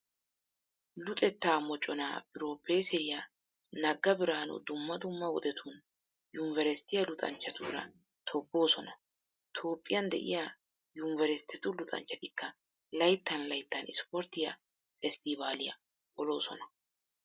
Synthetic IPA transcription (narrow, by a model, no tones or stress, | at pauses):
lʊt̪ʼɛt̪ːaːmɔt͡ʃʼːɔna̰bɪɾo̞ːpːeːsɛɪja | nɐɡːɐbɪɾaːnʊ̰d̪ʊmːɐd̪ʊmːɐwɔd̪ɛt̪ʰun | jʊnvɛɾɛst̪ɪjɐlʊt̪ʼɐ̰nt͡ʃːɐt̪ṵːɾɐ̰ | t̪ʰɔbːo̞ːsɔnɐ | t̪ʰo̞ːpʼːɪjɐnd̪ɛ̰ʔɪ̰ja | jʊnvɛɾɛst̪ːɛt̪ʊlʊt̪ʼɐ̰nt͡ʃːɐt̪ɪkːɐ | lɐjt̪ːɐnlɐjt̪ːɐnɪ̰spɔɾt̪ːɪjɐ̰ | fɛst̪iːbaːlɪjɐ̰ | ɔlo̞ːsɔnɐ